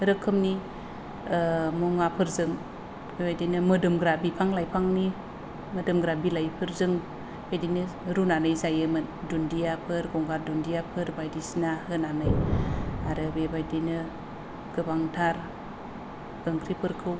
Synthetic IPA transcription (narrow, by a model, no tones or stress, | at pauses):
ɾɯkʰːɯmni | muŋapʰɯɾzɯŋ | bebajdinɯmɯdɯmɡɾabipʰaŋlajpʰaŋni | mɯdɯmɡɾabilajpʰɯɾzɯŋ | bejdinɯɾunanɯjzajɯmɯdundijapʰɯɾɡɔŋɡaɾ̚dundijapʰɯɾbajdisnahɯnanɯj | aɾɯbebajdinɯ | ɡ̥ɯbaŋtʰaɾ | ɡɯŋkʰɾipʰɯɾkʰɯw